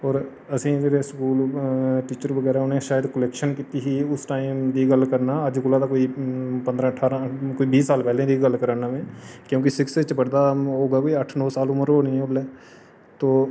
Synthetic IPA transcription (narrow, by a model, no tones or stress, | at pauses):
ɔːɾ | ɐsĩmeːɾeskuːlʈiːt͡ʃəɾʋəɡɛːɾaɦɛʊnẽʃaːjəd̪kəleːkʃənkiːt̪iɦiʊsʈaːɪmd̪iɡəlkəɾnaəd͡ʒkʊlad̪akoːipə̃nd̪ɾãəʈʰaːɾãkoːibiːsːaːlpɛːlẽd̪iɡəlkəɾaːnamẽːkjõːk̬isɪkset͡ʃəpəɽd̪aɦoːɡakːiəʈʰnɔːsaːlʊməɾɦoːnĩʊlɛː | t̪oː